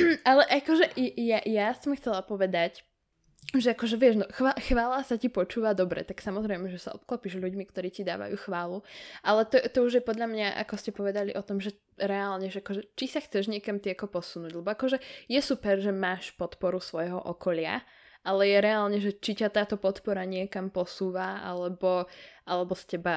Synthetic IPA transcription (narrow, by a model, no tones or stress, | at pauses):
alɛʔakɔʒɛɛjajasɔmxt͡sɛlapɔʋɛd̪ac | ʒɛakɔʒɛʋɪɛʒnɔxʋaxʋaːlasacipɔt͡ʃuːʋad̪ɔbɾɛ̰t̪aksamɔzɾɛɪmɛʒɛsaɔp̚klɔpiʒʎuɟmikt̪ɔɾiːcid̪a̰ːʋa̰juːxʋaːluʔalɛt̪ɔt̪ɔuʒjɛpɔd̪ʎamɲaʔa̰kɔscɛpɔʋɛd̪alḭʔɔt̪ɔmʒɛ | ɾɛalɲɛʒɛakɔʒɛt͡ʃisaxt͡sɛʒɲɪɛkamt̪iakɔpɔsunuːɟlɛbɔakɔʒɛjɛsupɛɾʒɛmaːʃpɔt̪pɔɾusʋɔjɦɔ̰ʔɔkɔʎɪa̰ | ʔalɛjɛɾɛaːlɲɛʒɛt͡ʃicat̪aːt̪ɔpɔt̪pɔɾaɲɪɛkampɔsuːʋaʔa̰lɛbɔʔalɛbɔscɛba